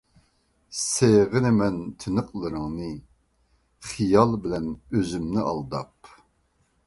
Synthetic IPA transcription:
seʁɨnɪmɛnt̪ʰɪnɨqlˠɨɾɨŋnɨ | χijɑlˠbɪlɛnøzymnɪʔɑ̰lˠd̪ɑp̚

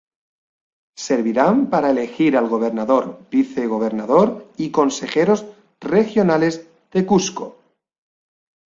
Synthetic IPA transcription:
seɾβiɾampaɾaelexiɾalɣo̞β̞eɾnaðoɾbiθeɣ̞oβ̞e̞ɾnaðoɾiko̞nse̞xeɾoz | rexjonalez | ð̥ekusko

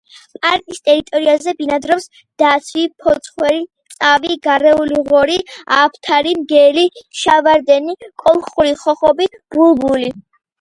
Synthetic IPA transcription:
pʼaɾk̪ʼist̪ʼɛɾit̪ʼɔɾiazɛbinad̪ɾɔps | d̪̥at̪sʰvipʰɔt̪sʰχwɛɾit̪sʼaviɡaɾɛuliʁɔɾiapʰt̪ʰaɾimɡɛliʃavaɾd̪ɛnikʼɔlˠχuɾiχɔχɔbib̥ulbuli

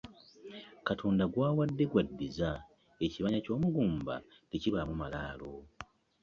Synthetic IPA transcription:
katʰo̞ːndaɡwaːwadːe̞ɡwadːiza | e̞ciβaɲaco̞ːmuɡuːmba̰ | ɡeciβamumalaːlo̞

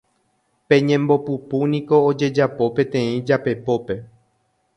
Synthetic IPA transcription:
pẽ̞ɲẽ̞mbo̞pupunĩko̞ːd͡ʒe̞d͡ʒapo̞pẽ̞t̪ẽ̞ĩd͡ʒape̞po̞pe̞

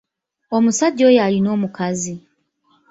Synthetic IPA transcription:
omusaɟoːjalinoːmukazi

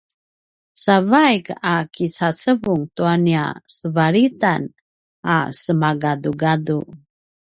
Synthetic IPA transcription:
savajkakit͡sat͡səvuŋtuania̰səvaɾitan | asəmaɡaduɡadu

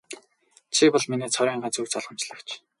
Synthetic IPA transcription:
t͡ɕʰipɔɮminiːt͡sʰɔɾʲiːɴɢaːt͡sukt͡sɔɮʁə̆mt͡ɕɮə̆kt͡ɕʰ

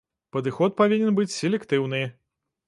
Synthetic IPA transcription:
pɐd̪ɨxɔt̪̚pavʲinʲɛnbɨt͡sʲsʲelʲɛkt̪ɨwnɨ

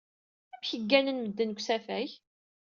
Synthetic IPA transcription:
æmçəɡːænənməd̪ːənkʷsæfæç

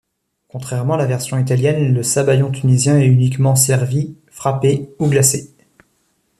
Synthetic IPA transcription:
kɔ̃t̪χɛʁmɑ̃alavɛʁsjɔ̃it̪aljɛnləsabajɔ̃t̪ʰynizjɛ̃ɛynikmɑ̃sɛʁvi | fχapeuɡlase

